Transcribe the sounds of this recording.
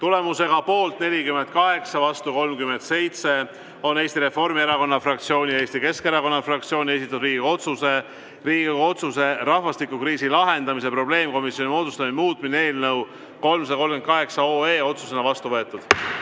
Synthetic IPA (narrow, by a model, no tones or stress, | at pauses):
t̪ule̞muse̞ɡ̥ɑpo̞ːlt̪ne̞lʲikymːent̪̚kɑɦe̞ksɑvɑst̪uko̞lmkyme̞nt̪se̞jt̪se̞ | o̞ne̞ːst̪iɾe̞fo̞rmieɾɑko̞nːɑfrɑkt̪sio̞ːnʲijɑe̞ːst̪ike̞skeɾɑko̞nːɑfrɑk̚t̪sio̞ːnʲie̞s̬it̪ːˑudriːɡiɡo̞t̪suse̞ | riːɡo̞t̪suse̞ɾɑhvɑst̪ikːˑukriːsilɑɦe̞nd̪ɑmis̬e̞pro̞ble̞ːmko̞misjo̞nʲimo̞ːd̪ust̪ɑminmuːt̪ˑminee̞ːlnɤw | ko̞lmsɑd̪ɑko̞lmɡkymnt̪kɑɦe̞ksɑoe̞ːo̞t̪susenɑvɑst̪uvɤ̞et̪ːˑud̪̥